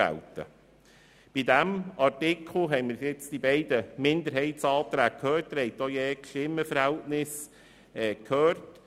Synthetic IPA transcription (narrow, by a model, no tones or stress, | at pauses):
æ̰lt̪ə̰ | b̥id̪æmɑrtɪkʰl̩ˠɦɛɪməɾjɪt͡sd̪̥ibɛɪd̪əmɪnd̪əɾɦɛɪtt͡sɑːt̪ɾæːk̚kʰøːrt̚dəɾhɛjt̪ojeːkʃɪməfəɾhɛæltnɪs | ɛkʰhøːrt